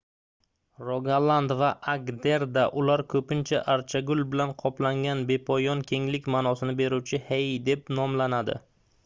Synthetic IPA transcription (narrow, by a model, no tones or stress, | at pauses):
ɾoɡalˠand̪vaʔaɡd̪e̞ɾd̪aʔʊlaɾkʰɵpɪnt͡ʃʰaʔaɾt͡ʃʰaɡʊlbɪlanqʰɒplaŋɡʲanbe̞pʰɒjɒnkʲʰe̞ŋlɪkʲmaːnɒsɪnɪbe̞ɾuwt͡ʃʰɪhejd̪e̞p̚nɒmlanad̪ɪ̰